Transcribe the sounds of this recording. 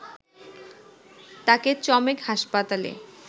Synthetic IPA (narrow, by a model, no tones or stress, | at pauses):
t̪aket͡ɕɔmekhaʃpat̪alḛ